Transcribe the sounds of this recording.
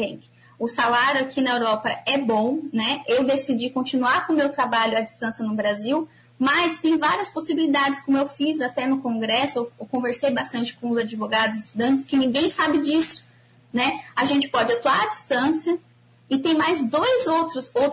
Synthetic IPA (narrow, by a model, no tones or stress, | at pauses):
ẽkɪ | ʊsalaɾjʊakinɐewɾɔpɐɛbõnɛewd̪esid͡ʒikõnt͡ʃinuaɾkõmewt̪ɾabaʎʊɐd͡ʒist̪ɐ̃sjɐnʊbɾaziw | mɐst̪ẽj̃vaɾiɐsposibilid̪ad͡ʒɪskõmʊewfizat̪ɛnʊkõɡɾɛsʊewwkõveɾsejbast̪ɐ̃nt͡ʃɪ̥kõʊzad͡ʒivoɡad̪ʊzɪst̪ud̪ɐ̃nt͡ʃɪskɪnĩŋɡẽj̃sabɪd͡ʒisʊ̥ | nɛaʒẽnt͡ʃɪ̥pɔd͡ʒɪat̪uaɾɐd͡ʒist̪ɐ̃sjɐ | ɪt̪ẽj̃majzd̪ojzowt̪ɾʊsowt̪